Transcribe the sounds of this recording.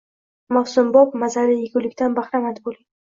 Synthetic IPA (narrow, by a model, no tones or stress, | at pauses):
mafsʊmbɒp̚mazaɾɪjɪɡʲʊwlɪkʲt̪anbaχɾamad̪ɪbolˠɪ